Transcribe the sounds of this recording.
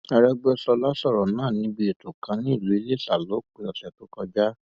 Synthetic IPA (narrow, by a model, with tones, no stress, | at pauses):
ɛ˧ɾɛ˧ɡ͡bɛ˦sɔ˧la˦sɔ˦˨ɾɔ˨nãː˦˨nĩ˧˦bi˧˦e˨to˨kã˨˧˦nĩ˦i˦˨lu˨˦i˧le˦˨sa˨lo˨˦k͡pe˧ɔ˧sɛ˨to˨˦kɔ˧d͡ʒa˦